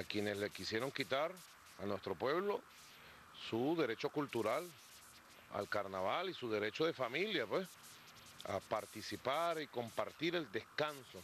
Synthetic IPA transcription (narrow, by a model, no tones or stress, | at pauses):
akje̞ne̞sle̞kisje̞ɾo̞ŋkit̪aɾ | anwe̞st̪ɾo̞pwe̞βlo̞ | suðe̞ɾe̞t͡ʃo̞kult̪uɾal | a̰lkaɾnaβalisuð̞e̞ɾe̞t͡ʃo̞ðe̞familjapwes | a̰paɾt̪isipaɾiko̞mpaɾt̪iɾe̞ld̪e̞skanso̞